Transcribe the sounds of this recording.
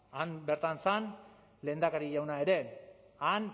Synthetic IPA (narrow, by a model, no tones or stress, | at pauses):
anbeɾt̪ansan | le̞ːnd̪akaɾiʝawnae̞ɾe̞ | an